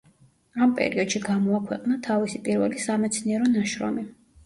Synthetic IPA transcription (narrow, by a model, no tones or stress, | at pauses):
ampʼɛ̰ɾiɔd̪̥ʃiɡamɔakʰwɛqʼnat̪ʰavisipʼiɾvɛ̰lisamɛt̪sʰniɛɾɔnaʃɾɔ̰mi